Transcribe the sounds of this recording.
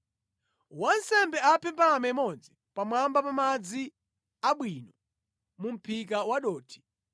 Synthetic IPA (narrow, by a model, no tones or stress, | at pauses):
wansɛmbɛapʰɛmpamɛmɔd͡zi | pamwambapamad͡zi | aɓwiːnɔ | mum̩pʰikawaɗɔːtʰi̥